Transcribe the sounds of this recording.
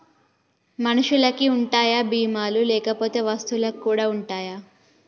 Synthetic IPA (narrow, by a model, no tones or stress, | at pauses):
mɐnuʂulɐkiuɳʈaːjabiːmaːlulɛːkɐpo̞ːt̪e̞ːʋɐst̪ulɐkkːuːɽaːuɳʈaːja